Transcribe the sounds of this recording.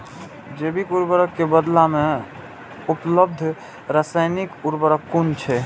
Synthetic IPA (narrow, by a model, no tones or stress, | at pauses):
d͡ʒebikuɾbəɾəkːebəd̪lame | upləb̚d̪ʱ | ɾasajnikuɾbəɾəkːunt͡ʃʰɛ